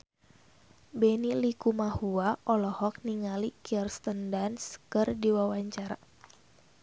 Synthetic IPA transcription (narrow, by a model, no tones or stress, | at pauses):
benilikumahuaʔɔlɔhɔk̚niŋalikirst̪əndanskɨrdiwawaɲt͡ʃaɾa